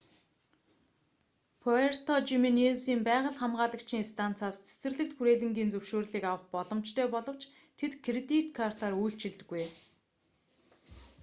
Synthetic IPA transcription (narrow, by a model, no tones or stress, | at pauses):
pʰɔer̥t̪ʰɔt͡ɕiminesiːmpæːʁə̆ɮχamʁaːɮə̆kt͡ɕʰniːst̪ʰan̥t͡saːst͡sʰe̥sɘ̆rɮɘ̆k̚t̪xuɾeːɮɘ̆ŋɡʲiːnt͡sɵwʃoːrɮiːkawə̆χpɔɮɞ̆m̥t͡ɕt̪ʰœːpɔɮɞ̆w̥t͡ɕ | t̪ʰet̪kʰret̪it̪kʰar̥t̪ʰarujɬt͡ɕɪ̆ɮt̪ɘ̆ɡːuj